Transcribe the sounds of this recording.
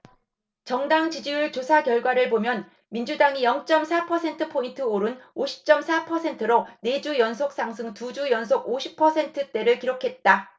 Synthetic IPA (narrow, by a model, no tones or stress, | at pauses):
t͡ɕʌŋdaŋt͡ɕid͡ʑiuɭt͡ɕosʰakjʌɭɡwaɾɯɭbomjʌn | mind͡ʑudaŋijʌŋt͡ɕ͈ʌmsʰapʰʌsʰe̞ntʰɯpʰointʰɯoɾunoɕʰi̥p̚t͡ɕ͈ʌmsʰapʰʌsʰe̞ntʰɯɾone̞d͡ʑujʌnsʰok̚s͈aŋs̬ʰɯŋtud͡ʑujʌns̬ʰoɡoɕʰi̥pʰʌsʰe̞ntʰɯt͈e̞ɾɯɭkiɾokʰe̞t̚t͈a